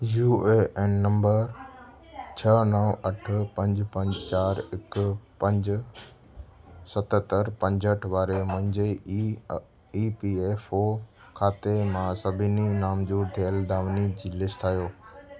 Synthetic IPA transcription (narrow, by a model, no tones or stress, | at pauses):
juːeʔɛːnːɐ̃mbəɾ | t͡ɕʰɐnəʋɐʈʰʊ̆pɐ̃ɲd͡ʑpɐ̃ɲd͡ʑt͡ɕaːɾɪkpɐ̃ɲd͡ʑ | sɐt̪t̪əɾpɐ̃ɲd͡ʑəʈʰʋaːɾemʊ̃ɦɪ̃ɲd͡ʑe | iːpiːeːfoː | kʰaːt̪emãsɐbʱɪninaːmd͡ʑuːɾt̪ʰijəld̪aːʋnid͡ʑiːlɪsʈaːijoː